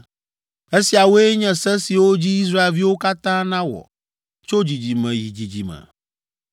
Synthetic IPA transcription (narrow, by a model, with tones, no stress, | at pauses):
e˦si˨a˨wo˦e˦ɲɛ̃˨sɛ̃˦si˨wo˦d͡ʑi˦i˦s̬ɾa˦e˨lvi˦wo˦ka˦t̪ã˦nã˦wɔ̰˨ | t͡ʃo˦d͡ʑi˨d͡ʑi˨mɛ̃˨ji˨d͡ʑi˨d͡ʑi˨mɛ̰̃˨